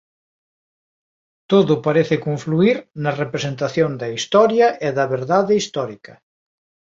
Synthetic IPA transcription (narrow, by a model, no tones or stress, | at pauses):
t̪oðʊpaɾeθekoɱfluiɾnɐrepɾesent̪aθjoŋd̪ɐist̪ɔɾjɐʔeðɐβeɾðaðɪist̪ɔɾikɐ